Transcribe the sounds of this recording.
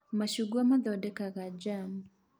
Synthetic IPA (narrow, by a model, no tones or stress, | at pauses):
maʃuɡuamad̪ɔdɛkaɡad͡ʒam